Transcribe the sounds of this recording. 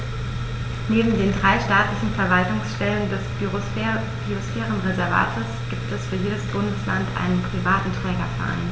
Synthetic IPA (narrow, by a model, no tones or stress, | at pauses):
neːbm̩deːndʁaɪʃtaːtlɪçn̩fɛɐvaltʊŋsʃtɛləndɛs | b̥yosfɛːʁənʁezɛɐva̰ːtʰəsɡ̥iːp̚tɛsfyːɐjeːdəsb̥ʊndəsla̰ntʔa̰ɪnənpʁ̥ivaːtn̩tʁ̥ɛːɡɐfa̰ːnn